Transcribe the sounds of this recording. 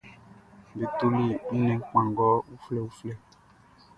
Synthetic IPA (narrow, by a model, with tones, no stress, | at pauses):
be˨t̪o˦li˦˨i˦nɛ̃˨˦ŋ̩˦k͡pã˨ŋ˨ɡɔ˦u˦flɛ˦˨u˦flɛ˦